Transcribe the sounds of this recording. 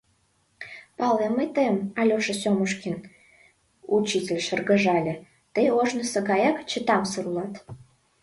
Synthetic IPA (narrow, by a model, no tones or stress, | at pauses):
pɑleməjt̪əjəmɑlʲoʃə̆sʲoməʃkʲin | ut͡ɕitʲelʲʃərɣə̆ʒɑlʲĕ | t̪əjoʒnəsəɣɑjɑkt͡ɕət̪ɑmsəɾulɑt̪